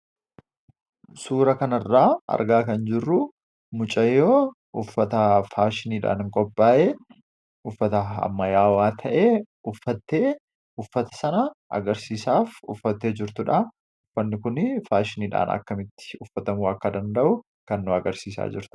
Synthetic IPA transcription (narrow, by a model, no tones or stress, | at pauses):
suːɾɐkɐnɐrːaːɐ̰ɾɡaːkɐnd͡ʒɪrːʊ | mʊt͡ʃʼɐjːoː | ʔʊfːɐt̪ɐfaːʃɪniːᶑa̰ːnɪŋkʼɔpʼːaːʔeː | ʊfːɐt̪ɐɐ̰mːɐjaːwaːt̪ʰɐʔeː | ʊfːɐt̪ːe̞ː | ʊfːɐt̪ɐ̥sɐnɐʔɐ̰ɡɐɾsiːsaːfʊ̰fːɐt̪ːeːd͡ʒɪɾt̪ʊᶑaː | ʊfːɐnːɪkʊnɪfaːʃɪniːᶑa̰ːnɐ̰kːɐmɪt̪ːɪ̥ʊfːɐt̪ɐmuːɐkːɐd̪ɐnd̪ɐʔʊ | kɐnːʊɐɡɐɾsiːsa̰ːd͡ʒɪɾt̪ʊ̥